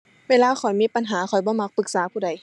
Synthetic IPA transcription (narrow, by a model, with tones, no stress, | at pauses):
weː˧˥˨laː˧xʰɔ˨˩jmiː˧˥˨pa˧˦nɦaː˨˦xʰɔ˨˩jbɔː˧˦ma˧˥k̚pɯ˨˧˦k̚saː˨˦pʰuː˧˩da˨˩˦j